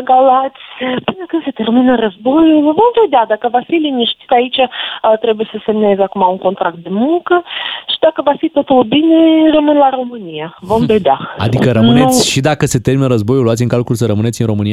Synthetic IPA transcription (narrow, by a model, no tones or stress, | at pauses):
ɡalat̪sʲpɨnəkɨnse̞t̪e̞rminərəzbo̞julvo̞mve̞d̪ead̪akəvafiliniʃt̪i̥t̪ait͡ʃat̪ɾe̞buje̞səse̞mne̞zakumauŋko̞nt̪ɾak̚t̪̚d̪e̞muŋkəʃid̪akəvafit̪o̞t̪ulbine̞rəmɨnlaɾo̞mɨnijavo̞mve̞d̪eaa̰d̪ikəɾəmnneusʲʃid̪akəse̞t̪e̞rminəɾəzbo̞juluat̪ʲiɨŋkalkulsəɾəmɨnesʲinɾo̞mɨnija